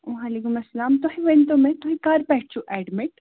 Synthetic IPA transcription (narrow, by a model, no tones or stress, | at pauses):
ʋaːleːkʊmɐsːɐlaːmt̪oɦĩʋent̪̬õmẽt̪oɦĩkaːɾpɛɦʈt͡ʃuʔɛːɖmɪʈ